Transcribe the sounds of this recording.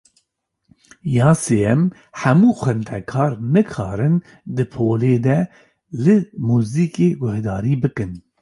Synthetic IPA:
jɑːseːɛm | ħæmuːxʷɛnt̪ʰɛkʰɑːɾnɨkʰɑːɾɨn | d̪ɨpʰoːleːd̪ɛ | lɨmuːziːkeːɡʊhd̪ɑːɾiːbɨkɨn

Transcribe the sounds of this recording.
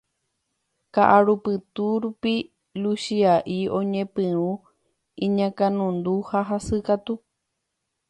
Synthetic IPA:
kaʔaɾupɨt̪uɾupi | luʃiaʔiõɲẽpɨ̃ɾũ | ĩɲãkãnũnd̪uhaɦasɨkat̪u

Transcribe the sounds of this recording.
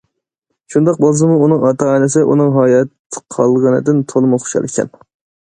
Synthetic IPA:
ʃund̪ɑq̚bɑlˠz̬ɨmuunɨŋɑt̪ʰɑɑnɪsɪʔṵnɨŋɦɑːjɛt̪ʰːɨ̥qʰɑlˠʁɑnɨ̰d̪ɪnt̪ʰolˠɨmuχo̥ʃɑ̰lˠɪkʲʰɛ̰n

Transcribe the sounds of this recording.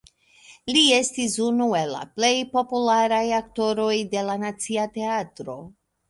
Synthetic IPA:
lie̞stisunue̞lːa̰ple̞jpo̞pulaɾajakto̞ɾo̞jde̞lanat͡siate̞atɾo̞

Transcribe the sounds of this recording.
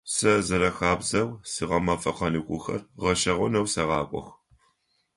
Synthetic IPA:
sɐzɐɾɐxaːbzɐwsɨʁɐmɐfʼɐqɐnɨkʷʼʊxɐ̰rʁɐʃɐʁʷʊnɐwsɐʁɑːkʷʼɔ̰x

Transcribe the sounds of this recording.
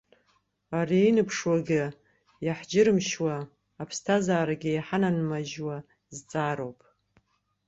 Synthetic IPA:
ariinɨpʰʂwaɡʲɪ | jaħd͡ʒɪɾɨmʃwaː | pʰstʰazaːɾaɡʲɪjħananmaʒwa | zt͡sʼaːɾo̞wpʼ

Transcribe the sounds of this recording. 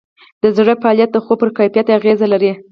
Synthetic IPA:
d̪̥əzɽəfaɑljat̪̚d̪əxopəɾkajfijat̪eaɣezalaɾi

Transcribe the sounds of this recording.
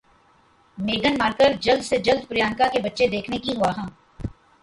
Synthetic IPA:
meːɡ̪ənmaːɾkəɾd͡ʒɐld̪sed͡ʒɐld̪̚pʊɾjaːnkakebɐtːʃed̪eːkʰnekiɦuaɦãː

